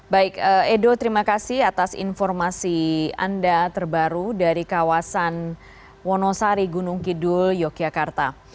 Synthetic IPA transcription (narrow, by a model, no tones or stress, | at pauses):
baɪkəedot̪əɾimakasɪhat̪asḭnfɔrmasia̰ndat̪ərbaɾudaɾikawasan | wɔnɔsaɾiɡunʊŋkidʊljɔkiakart̪a